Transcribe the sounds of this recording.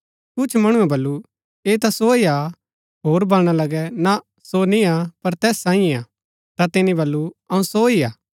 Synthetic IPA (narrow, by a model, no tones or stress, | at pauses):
kʊt͡ʃʰmɐɽ̃ũɛbɐlːu | eːt̪asoia | ɦoːɾbɐːɽ̃alɐɡɛna | sonĩapɐɾt̪ɛːsːãːĩiaː | t̪at̪ɪnĩbɐlːuɐũsoiaː